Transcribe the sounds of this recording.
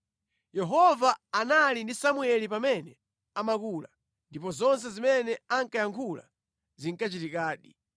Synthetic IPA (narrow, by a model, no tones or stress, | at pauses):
jɛɦɔvaːnalindisamuɛlipamɛnɛ | amakula̰ | ndipɔzɔns̬ɛzimɛnɛaŋkajaŋkʰula̰ | ziŋkat͡ʃitikaːɗi